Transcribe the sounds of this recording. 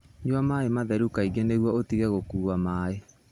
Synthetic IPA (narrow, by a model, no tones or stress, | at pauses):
ɲwamaemaðɛɾukaiɡeneɣwaotiɣɛɣokuːamaːe